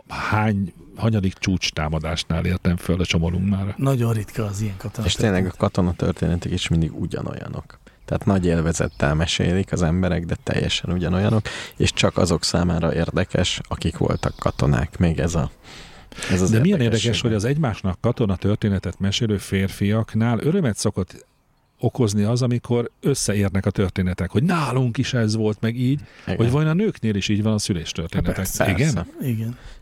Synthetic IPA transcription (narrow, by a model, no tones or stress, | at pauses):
haːɲhɒɲɒd̪ikt͡ʃuːt͡ʃt̪aːmɒd̪aːʃnaːleːrt̪ɛɱfølɒt͡ʃo̞moluŋknaːrnɒɟo̞nrit̪kʰɒːzijɛŋkɒt̪oneːʃtteːnlːɛɡɒkɒt̪o̞nɒt̪ø̰rt̪ḛːnɛt̪ikiʃmind̪iɡuɟɒ̰no̞̰jɒ̰no̞k | t̪ɛːt̪nɒɟeːlvɛzɛ̰t̪ːɛlmɛʃḛːlikɒzɛmbɛɾɛɡd̪ɛt̪ɛ̰jːɛ̰ʃɛnuɟɒno̞jɒno̞kḛʃt͡ʃɒkɒ̰zo̞ksaːmaːɾɒʔeːrd̪ɛkɛʃɒkikʋo̞̰lt̪ɒkːɒt̪o̞na̰ːkmeːɡɛzɒ | ɛzzd̪ɛmijɛneːrd̪ɛkɛʃho̞ɟɒzɛɟmaːʃnɒkːɒt̪o̞nɒt̪ø̞rt̪eːnɛt̪ɛt̪mɛʃeːløːfeːrfijɒknaːlʔøɾø̞mɛt̪so̞kot̪ː | o̞ko̞zniɒzɒmikʰo̞ɾøsːɛeːrnɛkɒt̪ørt̪eːnɛt̪ɛkho̞ɟnaːluŋkiʃɛzʋo̞lt̪mɛɡiːɟhoɟvɒjonɒnøːkneːliʃiːɟʋɒnɒsyleːʃt̪ørt̪eːnɛt̪ɛkiɡɛniɡɛn